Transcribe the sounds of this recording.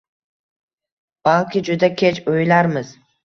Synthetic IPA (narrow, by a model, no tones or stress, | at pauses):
b̥alˠkʲʰɪd͡ʒʊd̪akʲʰet͡ʃojlaɾmɪz